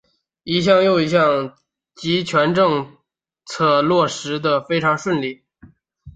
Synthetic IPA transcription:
i˧˥ɕ̬jɑ˥˧ŋjo˥˧ʊi˧˥ɕjɑ˥˩ŋ | t͡ɕi˧˥t͡ɕʰɥɛ˧˥nʈ͡ʂɤ˥˧ŋ | t͡sʰɤ˥˧lwɔ˥˩ʂɻ̩˧˥d̪ə˧fe˥ɪʈ͡ʂʰɑ˧˥ŋʂwə˥˧nli˥˩

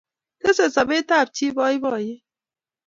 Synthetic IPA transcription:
ke˦se˨sa˨be˦t̪a˦˨b̚tʰi˦bɔː˦i˦bɔː˦˨je˦

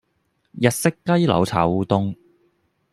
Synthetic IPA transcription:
jɐ˨t̚sɪ˥kːɐ˥jlɐ̰˨wt͡sʰaː˨˥wuː˧t̪ʊ˧˥ŋ

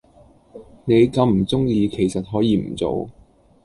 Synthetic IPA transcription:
ne˨˧jkɐ˨˧wm̩˨˩t͡sʊ˥ŋjiː˧kʰe˨˩jsɐ˨t̚ɦɔː˨˥jiː˨˧m̩˨˩t͡so̰˨˧w

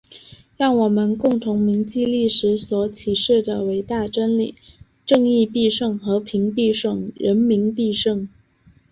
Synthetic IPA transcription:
ɻɑ˥˩ŋwɔ˨˩mə˦nkʊ˥˩ŋt̪ʰʊ˧˥ŋmi˧˥ŋt͡ɕi˥˧li˥˩ʂɻ̩˧˥swɔ˨˧˥t͡ɕʰi˨˩ʂɻ̩˥˩d̪ə˩we˧˥ɪt̪a˥˩ʈ͡ʂə˥nli˨˩˦ | ʈ͡ʂɤ˥˧ŋi˥˧pi˥˧ʂɤ˥˩ŋxɤ˧˥pʰi˧˥ŋpi˥˧ʂɤ˥˩ŋɻə˧˥nmi˧˥npi˥˧ʂɤ˥˧ŋ

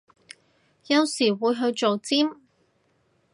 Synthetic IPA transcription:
jɐ˧wsiː˨˩wuː˨˧jɦɵ˧ɥt͡ʃo˨wt͡siː˥m

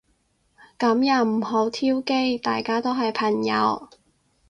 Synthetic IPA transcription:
kɐ˨˥mjɐ˨˩wm̩˨˩ɦo˨˥wt̪ʰiː˥wke˥jt̪a̰ː˨jkaː˥t̪o˥wɦɐ˨jpʰɐ˨˩ŋjɐ̰˨˧w

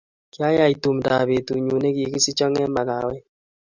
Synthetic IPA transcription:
kja˦ja˦i˨tu˨mda̰˨βe˨tu˨ɲu˨ne˦ɡi˨ki˦si˦t͡ʃɔ˦ŋɛ˦ma˨ka̰˨wɛ˦

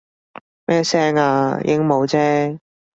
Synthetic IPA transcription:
mɛː˥sɛː˥ŋaː˧jʔɪ̰˥ŋmo˨˧wt͡sɛː˦˥

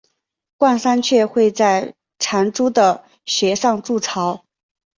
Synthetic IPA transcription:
kwa˥˩nsa˥nt͡ɕʰɥɛ˥˧xwe˥˧ɪt͡sa˥˩ɪ | ʈ͡ʂʰa˧˥nʈ͡ʂu˥d̪ə˨ | ɕɥɛ˧˥ʂɑ˥˧ŋʈ͡ʂu˥˩ʈ͡ʂʰɑ˧˥ʊ

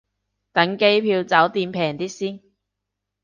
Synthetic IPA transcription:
t̪ɐ˨˥ŋke˥jpʰiː˧wt͡sɐ˨˥wt̪iː˧mpʰɛː˨˩ŋt̪iː˥siː˥n

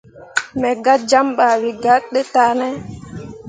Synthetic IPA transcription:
mɛ˨ɡa˦d͡ʒa˦mɓa˨wi˨ɡa˦tɗɛ˦ta˨˦nɛ˦

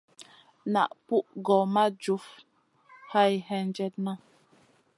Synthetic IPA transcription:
na̰˨ʔpu˦ʔɡɔ˨ma˦d͡ʒu˨˦f | ha˦˨jhɛ˦n˦d͡ʒɛ˦t̚na˦

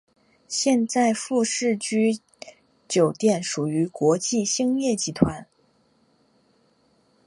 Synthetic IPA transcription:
ɕjɛ˥˧nt͡sa˥˧ɪfu˥˧ʂɻ̩˥˩t͡ɕy˥ | t͡ɕjo˨˩ʊt̪jɛ˥˩nʂu˨˩y˧˥kwɔ˧˥t͡ɕi˥˩ɕi˥ŋjɛ˥˩t͡ɕi˧˥t̪ʰwa˧˥n

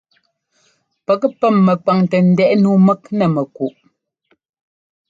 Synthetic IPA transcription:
pə˨kpɛ˦˨mːɛ˨k͡pa˨ŋtɛ˨n̩˨dɛ˦ʔnu˦mɛ˦k̚nɛ˨mɛ˨ku˨ʔ

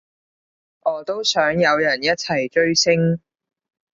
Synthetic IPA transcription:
ʔɔː˨˧t̪o˥wsœː˨˥ŋjɐ˨˧wjɐ˨˩njɐ˥t̚t͡sʰɐ˨˩jt͡ʃɵ˥ɥsɪ˥ŋ

